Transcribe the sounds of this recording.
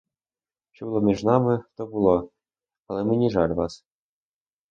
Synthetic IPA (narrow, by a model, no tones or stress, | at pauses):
ʃt͡ʃɔbulˠɔmʲiʐnɑmɪt̪ɔbulˠɔ | alˠɛmɘnʲiʐɑlʲʋɑs